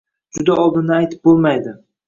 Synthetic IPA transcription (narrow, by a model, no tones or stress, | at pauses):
d͡ʒʊd̪aɒlˠd̪ɪnajt̪ʰɪ̥p̚bolˠmajd̪ɪ